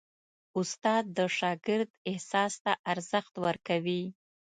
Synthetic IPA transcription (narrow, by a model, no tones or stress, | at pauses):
ʊst̪ɑd̪̚ːəʃɑɡɪɾd̪ɪhsɑst̪aʔaɾzəxt̪wəɾkawi